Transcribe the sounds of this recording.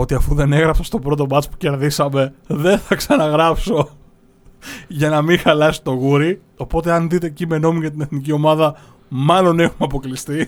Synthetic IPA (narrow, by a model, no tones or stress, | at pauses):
o̞t̪iɐfuðe̞ne̞ɣɾɐpsɐst̪o̞bɾo̞t̪o̞bɐt͡spu̥ce̞ɾðisɐme̞ðe̞θɐksɐnɐɣɾɐpso̞ | ʝɐnɐmiŋxɐlɐsi̥t̪o̞ɣuɾi | o̞po̞t̪e̞ɐnðit̪̬e̞cime̞no̞miɡɐt̪̬ine̞θnicio̞mɐðɐ | mɐlo̞ne̞xumeɐpo̞klist̪i